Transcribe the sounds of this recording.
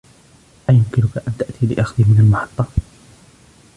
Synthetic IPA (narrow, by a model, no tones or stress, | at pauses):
ʔajʊmkɪnʊkaʔant̪aʔt̪iːlɪ̰ʔaxðimɪnalmɑħɑ̥t̪ˤːɑ